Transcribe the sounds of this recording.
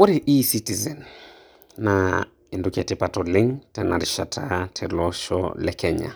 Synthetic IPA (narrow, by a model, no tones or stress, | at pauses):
wɔɾiʔisitizɛnː | a | indukiatipatɔliŋtɛnaɾiʃatʰatʰɛlɔʃɔ̰lɛkɛɲa̰